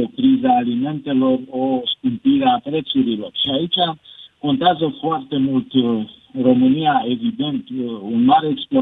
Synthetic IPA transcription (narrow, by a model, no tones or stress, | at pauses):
okɾizaːlime̞nt̪e̞lo̞roskumpiɾeapɾe̞t̪suɾilo̞rʃiait͡ʃako̞nt̪eazəfoart̪e̞mult̪ro̞mɨnijae̞vid̪e̞nt̪unmaɾeːksplo